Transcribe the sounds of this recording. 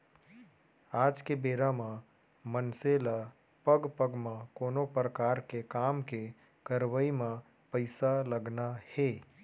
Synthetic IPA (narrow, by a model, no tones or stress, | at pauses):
aːd͡ʒkebeːɾamã | mənsela | pəɡpəɡmãkoːnopɾəkaːɾkekaːmke | kəɾʋəimã | pəɪsaləɡnaheː